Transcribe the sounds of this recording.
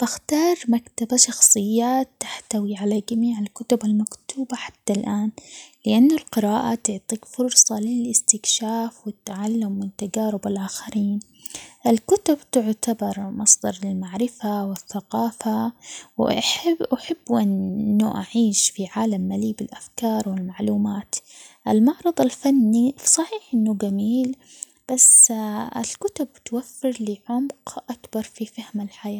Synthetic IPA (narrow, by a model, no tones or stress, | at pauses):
b̥ɪxt̪ɑːɾˤmakt̪abaʃɑxsˤɨjːaːt̪ːḁħt̪awiʕalad͡ʒamiːʕɪlkʊt̪ʊbalmakt̪uːbaħḁt̪ːalʔaːnlɪʔanːʊlqɪɾaːʔat̪ʊʕt̪ˤiːkfʊɾsˤɑlɪlʔɪst̪ɪkʃaːfwɪt̪ːʕalːʊmːɪnt̪ːad͡ʒaːɾʊbɪlʔaːxaɾiːn | ʔɪlkʊt̪ʊbt̪ʊʕt̪abɑɾˤmɑsˤd̪ɑɾˤɪlmaʕɾɪfawɪθːaqɑːfawʔaħɪbʔaħɪbːʔɪnːuʔa̰ʕiːʃfiʕaːlamːaliːbɪlʔafkɑːɾˤwɪlmaʕluːmaːt̪ʔɪlmɑʕɾˤɑðˤɪlfanːisˤɑħiːħʔɪnːuɡamiːl | b̥asɪ̰lkʊt̪ʊbt̪wafːɪɾlɪʕʊmqʔakbɑɾˤfifahmalħajaː